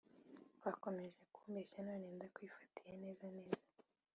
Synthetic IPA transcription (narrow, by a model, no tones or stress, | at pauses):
wako̞me̞ʒe̞kuːmbeʃanoːneːndakwifḁtijene̞ːzane̞ːz̥a